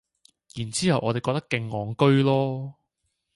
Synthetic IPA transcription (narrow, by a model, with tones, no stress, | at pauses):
jiː˨˩nt͡siː˥hɐ˨wʔɔː˧e˨jkɔ˧k̚t̪ɐ˥kːɪ˧ŋːɔː˨ŋkɵ˥ɥlɔː˥